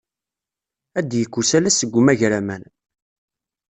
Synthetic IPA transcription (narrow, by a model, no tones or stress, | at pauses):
æd̪jəkʷːusælæsəɡʷːumæʝɾæmæn